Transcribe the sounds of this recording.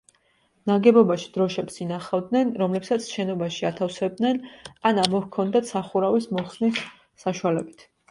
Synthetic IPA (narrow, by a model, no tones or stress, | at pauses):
naɡɛbɔbaʃi̥d̪̥ɾɔʃɛbsinaχavd̪nɛnɾɔmlɛpsat̪sʰʃɛnɔbaʃiat̪ʰafsɛb̚d̪nɛnanamɔhkʰɔnd̪at̪ʰsaχuɾavismɔχsnisː | aʃualɛbit̪ʰ